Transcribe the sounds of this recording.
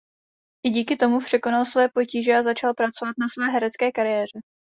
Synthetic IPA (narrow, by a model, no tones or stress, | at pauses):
ʔɪɟiːkɪt̪o̞mupr̝̥ɛko̞nalsvɛjɛpo̞ciːʒɛazat͡ʃalpɾat͡so̞vat̪̚nasvɛːɦɛɾɛt͡skɛːkaɾɪjɛːr̝ɛ